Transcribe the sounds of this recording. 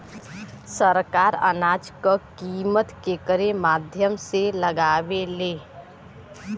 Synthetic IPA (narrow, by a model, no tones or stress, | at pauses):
səɾkaːɾə̰naːd͡ʒkəkiːmət̪kekəɾemaːd̪ʱjəmseləɡaːweleː